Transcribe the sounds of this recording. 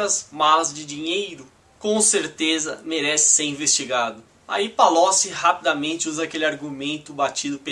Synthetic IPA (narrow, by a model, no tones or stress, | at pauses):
ɐzmalɐzd͡ʒɪd͡ʒĩɲejɾʊ | kõseɾt̪ezɐ̰meɾɛsɪ̥seɾĩvest͡ʃiɡad̪ʊ | a̰ipalɔsɪhapid̪amẽnt͡ʃɪuzɐakelɪaɾɡumẽnt̪ʊbat͡ʃid̪ʊpe